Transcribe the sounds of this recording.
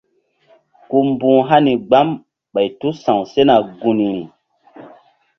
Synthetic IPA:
ku˧mbũː˦ɦa˦ni˨ɡ͡ba˦m | ɓa˨jtu˦sã˨ŋse˦na˨ɡu˨ni˨ɾi˨

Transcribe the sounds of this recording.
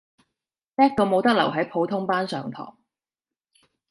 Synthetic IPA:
t̪ɛː˥k̚k̪o˧wmo˨˧wt̪ɐ˥k̚lɐ̰˨˩wɦɐ˨˥jpʰo˨˧wt̪ʰʊ˥ŋpaː˥nsœː˨˧ŋt̪ʰɔ̰ː˨˩ŋ

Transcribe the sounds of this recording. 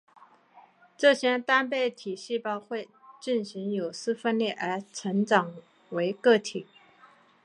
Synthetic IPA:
ʈ͡ʂɤ˥˧ɕjɛ˥nt̪a˥npe˥˩ɪt̪ʰi˨˩ɕi˥˩pɑ˥˧ʊxwe˥˧ɪt͡ɕi˥˩nɕi˧˥ŋjo˨˩ʊsɹ̩˥fə˥nljɛ˥˩ʔə˞˧˥ʈ͡ʂʰə˧˥ŋʈ͡ʂɑ˨˩ŋ | we˧˥ɪkɤ˥˩t̪ʰi˨˩˦

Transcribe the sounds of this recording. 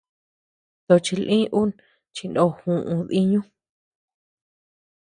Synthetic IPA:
t̪o˧t͡ʃi˧lʔĩ˦ʔu˦n | t͡ʃi˧ndo˧˦hũ˧˨ʔũ˧ði˦ɲũ˦

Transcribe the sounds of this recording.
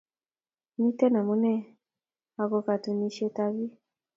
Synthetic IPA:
ni˦tɛ˦na˨mu˦nɛ˦ | a˨kɔ˧ka˨tu˨ni˦ʃe˦ta˦βi˦

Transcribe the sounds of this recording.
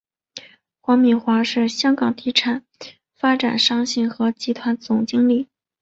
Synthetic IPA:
xwa˧˥ŋmi˨˩nxwa˧˥ʂɻ̩˥˩ɕjɑ˥ŋkɑ˨˩ŋt̪ʰi˧˥ʈ͡ʂʰa˨˩˦n | fa˥ʈ͡ʂa̰˨˩nʂɑ˥ŋɕi˥˩ŋxɤ˧˥t͡ɕi˧˥t̪ʰwa˧˥nt͡sʊ˨˩ŋt͡ɕi˥ŋli˥˩

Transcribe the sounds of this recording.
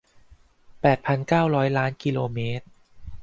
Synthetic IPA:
pɛː˨˩t̪̚pʰa˧nkaː˥˩wɾɔː˦˥jlaː˦˥nki˧loː˧meː˦˥t̪̚

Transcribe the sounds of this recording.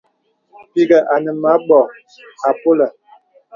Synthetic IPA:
pi˦ɡa˨ʔa˨nə˨ma˨˦ɓɔ˨ | a˨po˦la˨

